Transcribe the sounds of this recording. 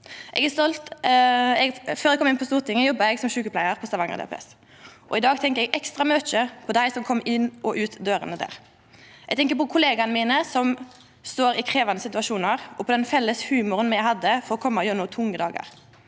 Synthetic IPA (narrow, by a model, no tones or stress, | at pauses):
ʔɛ̰ɡɛst̪ɔlt̪ | ɛɡføːɾɛɡkʰɔmɪnpʰɔst̪uːʁt̪ʰɪŋːəjɔbːɑɛɡsɔmʃʉːkəplæɪəʁpʰɔst̪ɑʋɑŋə̰d̪ɛ̰pʰɛ̰s | ʔɔɪd̪ɑːɡt̪ʰɛŋkəɛɡɛkst̪ʁɑmøːt͡ʃəpʰɔd̪æɪsɔmkʰɔmːɪnːʔɔʔʉːt̪d̪øːɾə̰nəd̪æ̰ːʁ | ʔɛɡt̪ʰɛŋk̬əpɔkʰʊleːɡɑnəmiːnəsɔm | st̪oːɾɪkʰɾeːʋɑnəsɪt̪ʉʋɑʃuːnəʁʔɔpʰɔd̪ɛnfɛlːəshʉːmʊɾənmɛjæɪhɑd̪ːəfɔʁɔkʰɔmːɑɔjøːɾnuːt̪ʰʊŋːəd̪ɑːɡɑ̰ʁ